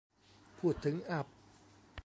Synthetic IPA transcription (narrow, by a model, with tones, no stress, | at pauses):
pʰuː˧˩t̪ʰːɯ˨˦ŋʔa˧˩p̚